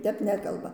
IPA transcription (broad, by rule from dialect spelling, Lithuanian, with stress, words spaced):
ˈtʲɛp ˈnʲæːkɐlˠbɐ